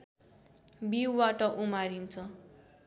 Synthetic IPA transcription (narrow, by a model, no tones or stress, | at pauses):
biwwaʈʌʔumaɾint͡sʰʌ